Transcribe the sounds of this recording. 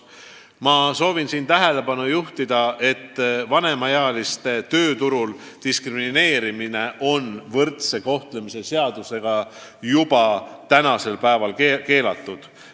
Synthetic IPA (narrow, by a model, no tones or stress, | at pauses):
mɑso̞ːvinsiːnt̪æɦe̞le̞pɑnujuht̪id̪̥ɑʔe̞t̪ːvɑne̞mɑjɑɑlist̪e̞t̪ø̞ːt̪uɾul | t̪iskrimine̞ːɾimine̞ʔo̞nvɤrt̪se̞ko̞ht̪le̞mise̞se̞ɑd̪̥use̞ɡ̥ɑ | jub̥ɑt̪ænɑse̞lpæevɑlkeke̞ːlɑt̪ːud̪̥